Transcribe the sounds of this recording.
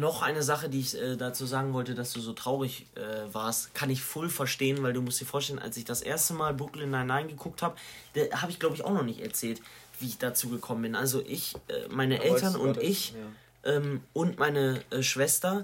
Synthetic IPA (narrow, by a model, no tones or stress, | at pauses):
nɔχʔa̰ɪnəzaχədiːɪçʔɛːdat͡suːzaːɡŋ̩vɔltəd̥asd̥uːzoːtʁ̥aʊʁɪçʔɛːvaːɐstkʰanɪçfʊlfɛɐʃteːənvaɪlduːmʊstd̥iːɐfoːɐʃtɛlənʔa̰lsɪçd̥asʔḛːɐstəmaːlbʊklndahɪnaɪnɡəkʰʊk̚thaːbəd̥ahaːbəɪçɡ̥laʊbəɪçaʊxnɔχnɪçtɛ̰ɐt͡sɛːlt | v̥iːɪçd̥at͡suːɡəkʰɔmənbɪnʔalzoʔɪçʔɛ̰ːmaɪnəʔɛltɐnʊntɪç | ʔɛːmʔʊntmaɪnəʔɛʃv̥ɛstɐ